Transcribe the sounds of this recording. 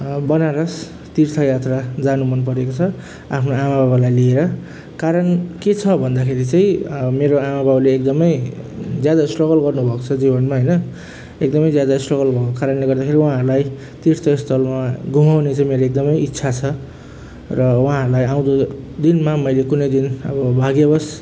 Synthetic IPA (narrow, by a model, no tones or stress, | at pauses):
bʌnaɾʌs | t̪irt̪ʰʌjat̪rad͡zanumʌnp̬ʌɾekot͡sʰʌ | a̰pʰnoamababalajlieɾʌ | kaɾʌnket͡sʰʌbʱʌnd̪akʰeɾit͡saĩmeɾoamabʱabaleːkd̪ʌmʌj | d͡zjad̪aslʌɡʌlɡʌrnubʱʌkot͡sʰʌd͡zibʌnmaɦʌjnʌ | ek̚d̪ʌmʌjd͡zjad̪aslʌɡʌlbʱʌkokaɾʌnleɡʌrd̪akʰeɾiwʌɦãɦʌɾulaj | t̪iɾt̪ʰʌst̪ʰʌlmaɡʱumawnet͡sʰãmeɾoek̚d̪ʌmʌjitːsʰat͡sʰʌ | rʌwʌɦãɾlajaw̃d̪o | d̪inmamʌjlekunʌjd̪inʌ̰bʌbʱaɡjebʌs